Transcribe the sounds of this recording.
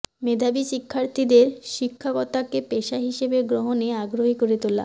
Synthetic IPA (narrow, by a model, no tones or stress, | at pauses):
med̪ʱabiʃikʰːaɾt̪ʰid̪eɾʃikʰːakɔt̪akepeʃaɦiʃebeɡɾoɦoneaɡɾoɦikoɾet̪ola̰